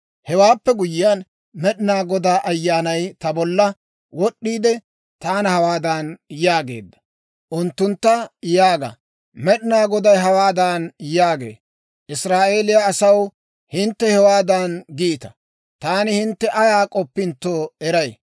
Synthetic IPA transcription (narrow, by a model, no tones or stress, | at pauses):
hɛwaːpːɛɡʊjɪan | mɛɗɪnaːɡɔd̪aːʔɐjːaːnɐjt̪ɐbɔlːɐ | wɔɗːiːd̪ɛ | t̪aːnɐhɐwaːd̪anjaːɡe̞̰ːd̪ːɐ̥ | ʔʊnt̪ːʊnt̪ːɐjaːɡɐ̰ | mɛɗɪnaːɡɔd̪ɐjɦɐwaːd̪anjaːɡe̞̰ː | ʔɪsɾaːʔe̞ːlɪjaːsɐw | hɪnt̪ːɛhɛwaːd̪ɐnɡiːt̪ɐ̥ | t̪aːnɪhɪnt̪ːɛʔɐjaːkʼɔpːɪnt̪ːoːɛɾɐj